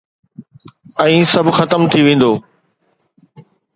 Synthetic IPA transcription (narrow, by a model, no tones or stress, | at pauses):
ɛ̃ĩːsɐbʱxɐt̪əmt̪ʰiʋẽːn̆d̪oː